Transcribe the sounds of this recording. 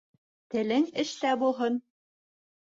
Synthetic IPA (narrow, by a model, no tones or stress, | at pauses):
t̪ɘ̆lɘŋɘ̆ʃt̪æbulˠɦɤn